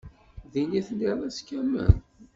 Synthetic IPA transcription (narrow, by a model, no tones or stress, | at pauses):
ðiniθənamæskːæmə̰n